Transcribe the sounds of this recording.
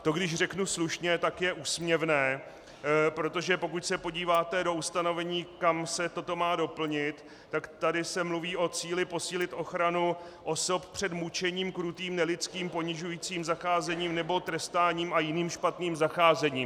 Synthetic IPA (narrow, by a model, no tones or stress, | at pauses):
t̪o̞ɡdɪʃrɛknusluʃɲɛt̪akjɛʔuːsmɲɛvnɛː | pɾo̞t̪o̞ʒɛpo̞kucsɛpo̞ɟiːvaːt̪ɛdo̞ust̪ano̞vɛɲiːkamsɛt̪o̞t̪o̞maːdo̞pl̩ɲɪt̪ː | akt̪adɪsɛmluviːʔo̞t͡siːlɪpo̞siːlɪt̪ʔo̞xɾanu | ʔo̞so̞ppr̝̥ɛd̪mut͡ʃɛɲiːmkɾut̪iːmnɛlɪt͡skiːmpo̞ɲɪʒujit͡siːmzaxaːzɛɲiːmnɛbo̞t̪ɾɛst̪aːɲiːmajɪniːmʃpat̪niːmzaxaːzɛɲiːm